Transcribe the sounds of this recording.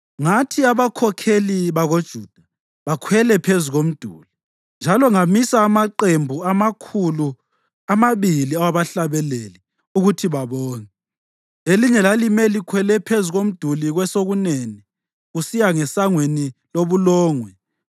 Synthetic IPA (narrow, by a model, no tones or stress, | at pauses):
ŋatʰiaβakʰɔkʰeliβaɣod̥ʒ̥ʱuːd̥ʱa | βakʰwɛlɛpʰezuɣom̩d̥ʱuli | nd͡ʒʱalɔŋamisaːmaǃembʱuamakʰulu | amaβiliawaβaɬaβɛleli | uɣutʰiβaβɔːnɛ | eliɲɛlalimɛlikʰwɛlɛpʰezuɣom̩d̥ʱuliɣwɛsoɣuneni | ɣusijaŋɛsaŋweniloβulɔːŋwɛ